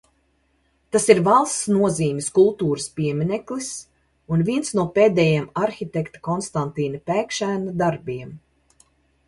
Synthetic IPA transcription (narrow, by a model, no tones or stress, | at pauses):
t̪asiɾvalˠst̪snuɔziːmʲiskulˠt̪uːɾəspʲiɛmʲinɛklis | unvʲiɛnsnuɔpeːd̪ɛjɛmaɾxʲit̪ʲɛkt̪ḁkɔnst̪ant̪iːnpʲæːkʃæːnad̪aɾbʲiɛm